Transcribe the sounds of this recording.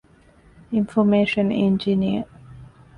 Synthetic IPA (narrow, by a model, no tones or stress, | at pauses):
ĩnfɔmeːʃə̃nḛ̃nd͡ʒiniə